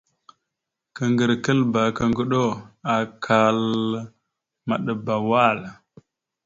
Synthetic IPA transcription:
kə˨ŋɡə˨ɾkə˦lba˨kə˦ŋɡə˦ɗo˦a˨kʰa˨l | ma˨ɗə˨ba˨wa˦˨l

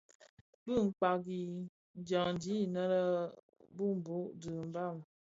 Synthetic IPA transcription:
bɨ˦˨ŋ̩˨k͡pa˨ɡi˨ | n˨˦d͡ʒa˨ŋn˨di˨˦nə˦ɾə˦ | bu˦m˨bo˨˦ʔdə˨m̩˦ba˦˨m

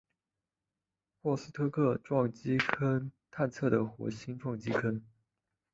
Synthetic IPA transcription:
xwɔ˥˩sɹ̩˥˩t̪ʰɤ˥kʰɤ˥˩ʈ͡ʂwɑ˥˩ŋt͡ɕi˥kʰə˥nt̪ʰa˥˧nt͡sʰɤ˥˩ɾə˩xwɔ̰˧˥ɕi˥nʈ͡ʂɑ˥˩ŋt͡ɕi˥kʰə˥n

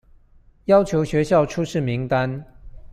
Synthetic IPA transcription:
jɑ˥ʊt͡ɕʰjo˧˥ʊɕɥɛ˧˥ɕjɑ˥˨ʊʈ͡ʂʰu˥ʂɻ̩˥˩mi˨˦ŋt̪a˦n

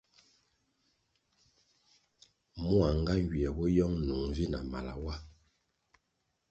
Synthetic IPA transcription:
mu˦a˨ŋ˦ɡa˦ŋ˦ɡɥi˨ɛ˨bɔ˦jɔ˦ŋnu˨ŋvi˦na˨ma̰˨la̰˨wa˦

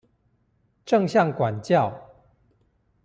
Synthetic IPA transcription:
ʈ͡ʂɤ˥˨ŋɕjɑ˥˨ŋkwa˨˩nt͡ɕjɑ˥˨ʊ

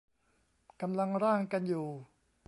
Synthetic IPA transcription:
ka˧mla˧ŋɾaː˥˩ŋka˧njuː˨˩

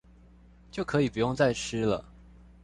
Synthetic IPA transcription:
t͡ɕjo˥˩ʊkʰɤ˧˥i˨˩pu˨˧˦jʊ˥˧ŋt͡sa˥˩ɪʈ͡ʂ̩ʰ˥lə̰˨

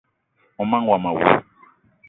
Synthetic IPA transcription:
ɔ˨mã˦ŋ˦wa˨ma˨wṵ˦

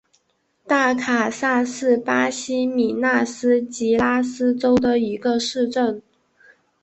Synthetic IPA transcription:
t̪a˥˩kʰa˨˩sa˥˧sɹ̩˥˩pa˥ɕi˥mi˨˩na˥˩sɹ̩˥t͡ɕi˧˥la˥sɹ̩˥ʈ͡ʂo˥ʊd̪ə˨i˧˥ɡə˧ʂɻ̩˥˧ʈ͡ʂə˥˩n

